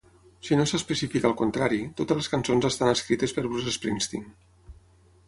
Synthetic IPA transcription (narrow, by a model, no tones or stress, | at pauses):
sinosəspəsifikaːlˠkunt̪ɾaɾit̪ot̪əzləskansonzəst̪anəskɾit̪əspəɾβɾuzespɾinst̪ḭŋ